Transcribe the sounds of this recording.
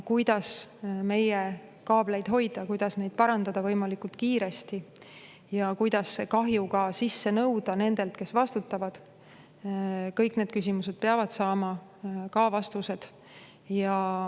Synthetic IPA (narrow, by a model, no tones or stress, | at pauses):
kujd̪̥ɑsme̞je | kɑːb̥le̞jd̪̥ɦo̞jd̪̥ɑkujd̪̥ɑsne̞jd̪̚pɑɾɑnd̪ɑd̪̥ɑvɤjmɑlikult̪kiːɾe̞st̪i | jɑkujd̪̥ɑsːekɑɦjukɑsisːe̞nɤwd̪̥ɑne̞nd̪̥e̞lt̪ke̞svɑst̪ut̪ːˑɑvɑd̪̥ | kɤjkne̞ːd̪̥̚kys̬ʲimuse̞d̪̥̚peɑvɑd̪̥sɑːmɑ | kɑvɑst̪use̞d̪̥ | jɑ